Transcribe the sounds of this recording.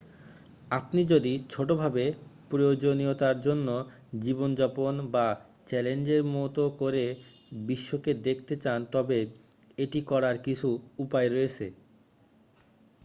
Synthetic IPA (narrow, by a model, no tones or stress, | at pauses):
apnid͡ʑod̪it͡ɕʰoʈobʱabepɾojod͡ʑoniot̪aɾd͡ʑonːo | d͡ʑibond͡ʑɔponba | t͡ɕɛlend͡ʑeɾmot̪okoɾe | biʃːoked̪ekʰt̪et͡ɕant̪ɔbe | eʈikɔɾaɾkit͡ɕʰuupaeɾoet͡ɕʰḛ